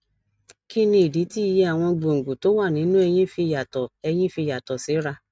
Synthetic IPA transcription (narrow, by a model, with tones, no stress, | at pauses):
ki˦nĩ˧i˨di˨˦ti˦i˧je˧a˨w̃ɔ̃˧ɡ͡bo˨ŋ̩˨ɡo˨to˨˦wa˦˨nĩ˨˦nũ˦ɛ˧j̃ĩ˦fi˧ja˨tɔ˨ɛ˧j̃ĩ˦fi˧ja˨tɔ˨si˨˦ɾa˧